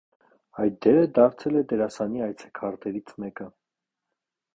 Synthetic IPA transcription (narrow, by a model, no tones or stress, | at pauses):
ɑjt̪̚d̪ɛɾəd̪ɑɾt͡sʰɛlɛd̪ɛɾɑsɑniɑjt͡sʰɛ̥kʰɑɾt̪ɛɾit͡sʰmɛkə